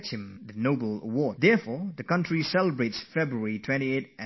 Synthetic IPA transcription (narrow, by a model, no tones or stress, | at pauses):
thɪ̃mdənobəl̩ə̰wɔdd̪ɛfɔðəkʌ̃ntɹisɛləbɹetsfɛbɹuəɹitʰw̥ɛ̃ntietɨ̃